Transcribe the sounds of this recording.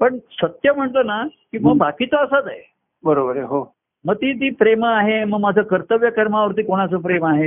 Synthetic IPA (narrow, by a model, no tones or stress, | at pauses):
pəɳsət̪jəm̤əɳlənakĩmʋəɡbakiːt̪oəsat̪aɦe | bəɾobəɾeɦo | məɡ̚t̪iːt̪̬iːpɾemaɦeməɡmad͡zʱakəɾt̪əʋjəkəɾmaʋəɾt̪̬iːkoɽ̃asəːp̬ɾemaɦe